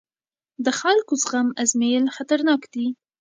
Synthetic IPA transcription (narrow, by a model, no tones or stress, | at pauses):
d̪əxalkozɣamazmelxat̪aɾnɑkd̪i